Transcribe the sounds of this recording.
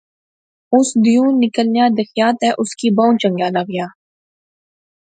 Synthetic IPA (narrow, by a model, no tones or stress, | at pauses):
ʊsd̪ijõːnɪkəlnjaːd̪əxjaːt̪ɛːʔʊskiːbãːʊ̃nt͡ʃə̃ŋɡjaːlaːɡɪjaː